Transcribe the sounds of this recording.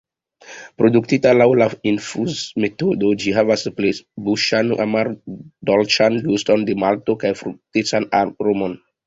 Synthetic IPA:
pɾo̞duktitalawlainfuzmetodod͡ʒiɦavasplebuʃanʔa̰maɾdolt͡ʃanlusto̞ndemalto̞kajfɾuk̚tet͡sanaɾomon

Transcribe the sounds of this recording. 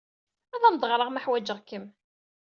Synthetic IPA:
æðænd̪ˤʁɾˤəʁməħwæd͡ʒəʁkəm

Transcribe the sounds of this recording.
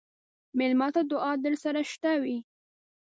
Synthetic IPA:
mɪlmɑt̪ad̪ʊʔɑd̪əɾsaɾaʃt̪awi

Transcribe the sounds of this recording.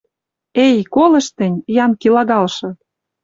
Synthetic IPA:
ejkolə̆ʃt̪ə̆nʲjɑnkilɑɣɑlʃɤ̆

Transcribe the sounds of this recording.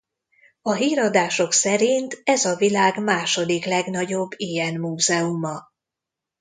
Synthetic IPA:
ɒɦiːɾɒd̪aːʃo̞ksɛɾint̪ɛzɒvilaːɡmaːʃo̞d̪iklɛɡnɒɟo̞bːijɛnmuːzɛumɒ

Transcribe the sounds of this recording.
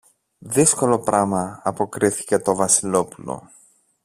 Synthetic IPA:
ðisko̞lo̞pɾɐmɐɐpo̞kɾiθi̥ce̞t̪o̞vɐsilo̞pulo̞̰

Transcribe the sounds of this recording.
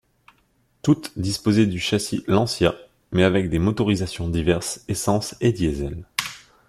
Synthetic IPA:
t̪ut̪d̪ispozɛd̪yʃasilɑ̃sja | mɛavɛk̚d̪emot̪ɔʁizasjɔ̃d̪ivɛʁsesɑ̃sed̪jezɛl

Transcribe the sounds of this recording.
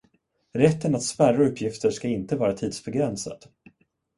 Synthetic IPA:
ɾɛt̪ːənat̪spæraɵpːjɪft̪əʂkaɪnt̪əvɑːɾat̪ʰiːd̪sbɛɡɾɛnsa̰d̪̥

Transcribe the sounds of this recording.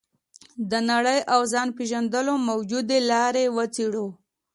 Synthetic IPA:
d̪ənaɽəjʔawzɑnpeʒand̪əlomawd͡ʒud̪elɑɾewət͡seɽo

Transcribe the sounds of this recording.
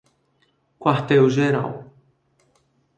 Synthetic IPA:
kwaht̪ewʒeɾa̰w

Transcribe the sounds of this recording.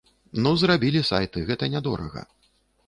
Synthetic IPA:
nuzrabʲilʲisa̰jt̪ɨɣɛt̪ɐnʲad̪ɔ̰ɾɐ̰ɣɐ̰

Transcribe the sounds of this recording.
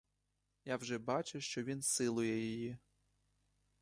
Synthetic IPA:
jawʒɛbɑt͡ʃʊʃt͡ʃɔʋʲinsɪlˠʊjɛjɔji

